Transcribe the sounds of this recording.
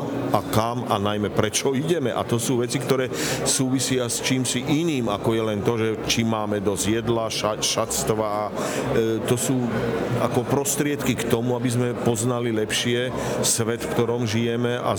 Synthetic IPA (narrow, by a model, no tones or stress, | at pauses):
akamanajmɛpɾɛt͡ʃɔiɟɛmɛ̰ʔa̰t̪ɔsuːʋɛt͡sikt̪ɔɾɛːsuːʋisɪast͡ʃiːmsiʔiniːma̰kɔjɛlɛnt̪ɔʒɛt͡ʃimːaːmɛd̪ɔzjɛd̪laʃaʃast̪ʋaː | t̪ɔsuːa̰kɔpɾɔst̪ɾɪɛt̪kikt̪ɔmuabizmɛpɔznalilɛpʃɪɛ | sʋɛt̪fkt̪ɔɾɔmʒijɛmɛʔa̰